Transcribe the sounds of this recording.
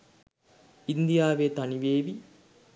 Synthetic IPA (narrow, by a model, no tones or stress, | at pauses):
ind̪ijaːʋeːt̪aniʋeːʋi